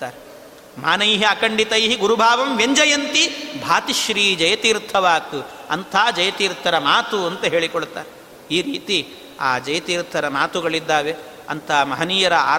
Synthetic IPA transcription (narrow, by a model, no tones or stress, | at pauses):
aːɾe | maːnɐjɦiɐkɐɳɖit̪ɐjɦiɡuɾubʱaːʋɐmʋeɲd͡ʒɐjɐnt̪ibʱaːt̪iʃɾiːd͡ʒɐjɐt̪iːɾt̪ʰɐʋaːt̪uɐ̰nt̪ʰaːd͡ʒɐjɐt̪iːɾt̪ʰɐɾɐmaːt̪uɐnt̪ɐɦeːɭikoɭt̪a̰ːɾe | iːɾiːt̪i | a̰ːd͡ʒɐjɐt̪iːɾt̪ʰɐɾɐmaːt̪uɡɐɭid̪ːaːʋe | ɐ̰nt̪ʰɐmɐɦɐniːjɐɾɐa̰ː